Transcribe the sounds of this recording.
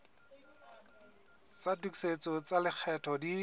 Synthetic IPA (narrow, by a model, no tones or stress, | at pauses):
satukset͡sɔt͡salɪk͡xʰɛtʰɔdi